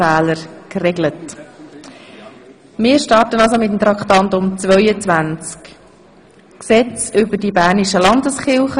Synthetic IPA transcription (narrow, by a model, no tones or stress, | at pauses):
æːləɾkrɛɡlət | mɪːɾʃtɑːtənɑlsomɪt̪əm̩t̪ɾɑkχtɑntʊmt͡svœʏət͡sʋænt͡sk | ksɛt͡sʏbədibæɾniʃəlɑndəsχɪlˠχə